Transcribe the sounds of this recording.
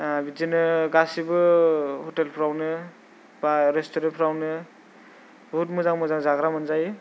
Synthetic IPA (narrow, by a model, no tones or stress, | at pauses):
bid͡ʒinɯɡasibɯhɔtelpʰɾawnɯ | baɾestɔɾenpʰɾawnɯ | bɔɦut̚mɔzaŋmɔzaŋzaɡɾamɯnzaj